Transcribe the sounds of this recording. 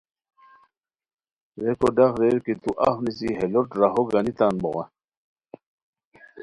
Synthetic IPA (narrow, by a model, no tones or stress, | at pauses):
ɾekoɖaxɾeɾkit̪uʔa̰fnisiɦeloʈɾaɦoɡanit̪anboɣa̰